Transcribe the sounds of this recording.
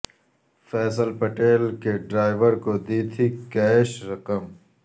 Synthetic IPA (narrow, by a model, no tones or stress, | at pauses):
fɛːsəlpɐʈeːlkeɖɾaːjʋəɾkod̪iːt̪ʰikɛʃɾɐqɐm